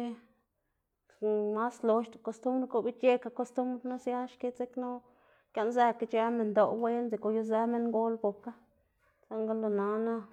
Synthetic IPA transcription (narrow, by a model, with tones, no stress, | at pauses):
e˦ | ma˦slo˨ʃt̪o˨ko˧st̪u˦mbɾko˧bi˦je˦ka˧ko˧st̪u˦mbɾna˦sja˦ʃke˦se˦kno˦ | kjʲa˧nza˧ka˧t͡ʃa˧me˨nd̪o˨we˦nze˨ko˧˨ju˦z̬a˦me˦ŋɡo˦lbo˨ka˦ | sa˦ŋɡa˦lo˧na˧na˦